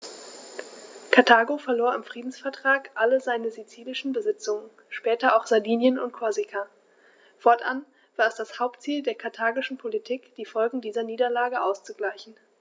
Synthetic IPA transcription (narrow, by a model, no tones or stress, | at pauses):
kʰaɐtʰaːɡofɛɐloːɐɪmfʁ̥iːdn̩sfɛɐtʁ̥aːkʔaləzaɪnəzit͡siːlɪʃn̩bəzɪt͡sʊŋən | ʃpɛːtɐʔaʊxz̥aɐdiːnjənʊntkʰoɐzikʰa | fɔɐtʔa̰n | v̥aːɐɛsd̥ashaʊp̚tt͡siːldeːɐkʰaɐtʰaːɡɪʃn̩pʰolitʰiːkd̥iːfɔlɡŋ̩diːzɐniːdɐlaːɡəʔaʊst͡suɡlaɪçn̩